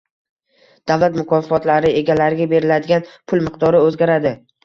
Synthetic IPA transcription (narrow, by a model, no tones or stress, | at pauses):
d̪̥avlat̪mʊkʰɒffɒt̪laɾɪe̞ɡʲalaɾɪɡʲabe̞ɾɪlad̪ɪɡʲanpʰʊlˠmɪq̚d̪ɒɾɪɵzɡʲaɾad̪ɪ